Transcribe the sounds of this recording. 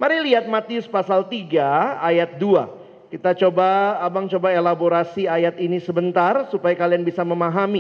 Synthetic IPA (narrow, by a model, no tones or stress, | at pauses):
maɾiliɦat̪̚mat̪iʊspasalt̪iɡaːjat̪̚dua̰ | kit̪at͡ʃobaːbaŋt͡ʃobaelaboɾasiajat̪inisəbənt̪arsupajakalianbisaməmaɦami